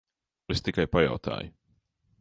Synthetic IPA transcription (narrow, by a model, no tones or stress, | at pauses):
est̪ikajpaja̰wt̪a̰ːjʊ